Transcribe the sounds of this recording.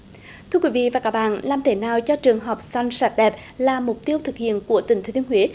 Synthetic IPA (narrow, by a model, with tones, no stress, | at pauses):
t̪ʰɨ˧əkwi˨˦vḭ˧˨vaː˨˩kaː˦˥k̚ɓa̰ː˧˨nlaː˨˩mt̪ʰe˨˩˦naː˨˩wt͡ɕɔ˧t͡ɕɨ˨˩əŋɦɔ˨˩wk͡p̚sa˧jŋsaː˨˩t̚ɗɛ˨˩p̚ | laː˨˩mʊ˨˩k͡p̚t̪i˧əwt̪ʰɨ˨˩k̚hḭ˧˨ənku˧˩ət̪ï˧˩ŋt̪ʰe˨˦t̪i˧ŋhwḭ˧˦